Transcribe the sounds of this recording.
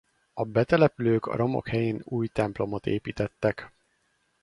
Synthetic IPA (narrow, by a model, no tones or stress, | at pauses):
ɒbɛt̪ɛlɛpyløːkɒ̰ɾo̞mo̰khɛjeːnuːjt̪ɛmplo̞mot̪ḛːpiːt̪ɛt̪ːɛk